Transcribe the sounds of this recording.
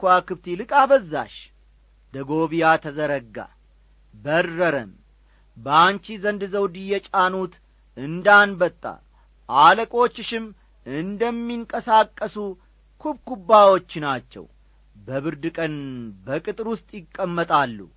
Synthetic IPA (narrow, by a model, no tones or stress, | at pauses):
kwakɨbt̪ilɨkʼabəzːa̰ʃ | d̪əɡo̞βijat̪ʰəzəɾəɡːa̰ | bərːəɾəm | bəant͡ʃizənd̪zəwd̪ijɛt͡ʃʼanut̪ | ɨnd̪anbət̪ʼːa̰ | ʔaləkʼo̞t͡ʃːɪʃɪm | ɨnd̪əmːiŋkʼəsakʼːəsu | kʰubkubːawo̞t͡ʃːɪnat͡ʃːɛ̰w | bəβɨɾd̪ɨkʼənbəkʼɨt̪ʼɨɾwʊst̪ʼjɪkʼːəmːət̪ʼalːṵ